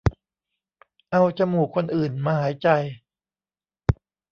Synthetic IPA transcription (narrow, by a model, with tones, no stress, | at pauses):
ʔa˧wt͡ɕa˧muː˨˩kʰo˧nʔɯː˨˩nmaː˧haː˩˦jt͡ɕa˧j